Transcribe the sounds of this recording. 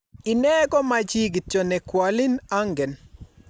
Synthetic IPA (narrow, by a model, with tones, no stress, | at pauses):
ɪ˨nɛ˦ɡɔ˦ma˨t͡ʃi˦ɡt͡ʃɔ˨nɛ˨kwa˨lɪ˦na˦ŋɡɛ˨n